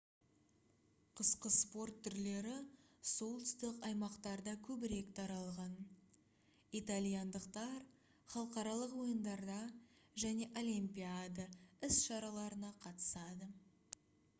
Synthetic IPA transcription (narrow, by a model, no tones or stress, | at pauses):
qʰəsqəspo̞rt̪ʰːʏɾle̞ɾɪso̞lˠt̪ɪst̪ɪqɑjmɑqt̪ɑɾd̪ɑkʲʰɵbɪɾe̞kt̪ʰɑɾɑlˠʁɑn | it̪alʲijand̪əqt̪ɑɾ | χɑlˠəqɑɾɑlˠəqwo̞jənd̪ɑɾd̪ɑʒæne̞ʔo̞lʲimpʲiad̪əɪsʃɑɾɑlˠɑɾənɑqʰɑt̪ə̥sɑd̪ə